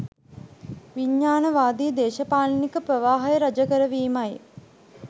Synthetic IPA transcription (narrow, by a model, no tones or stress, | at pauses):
ʋiɲːaːnəʋaːd̪iːd̪eːʃɐpaːlnikəpɾəʋaːɦɐjəɾad͡ʒəkəɾəʋiːmaj